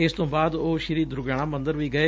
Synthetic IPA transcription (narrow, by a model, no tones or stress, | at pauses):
ɪst̪õːbaːd̪oːʃɪɾiːd̪ɾʊɡaːɳ̃ãːmə̃nd̪əɾʋiːɡəeː